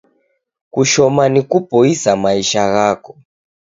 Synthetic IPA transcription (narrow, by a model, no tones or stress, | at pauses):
kuʃɔmanikupɔisamaiʃaɣakɔ̥